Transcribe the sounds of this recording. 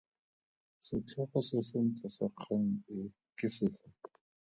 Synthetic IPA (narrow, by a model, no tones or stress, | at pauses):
sɪt͡ɬʰɔχɔsɪsɪn̩t͡sʼasaq͡χʰaŋ̩ɪ | kɪsɪt͡ɬʰɔ